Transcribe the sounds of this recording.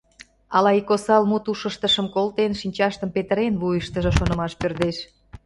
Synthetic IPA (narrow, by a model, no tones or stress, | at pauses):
ɑlɑikosɑlmut̪uʃəʃt̪əʃəmkolt̪enʃinʲt͡ɕɑʃt̪əmpet̪əɾenβujəʃt̪əʒə̆ʃonə̆mɑʃpørd̪eʃ